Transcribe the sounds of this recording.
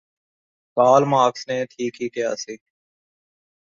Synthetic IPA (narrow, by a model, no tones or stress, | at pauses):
kaːlmaːksnẽːʈ̪ʰiːkɦiːkjaːsiː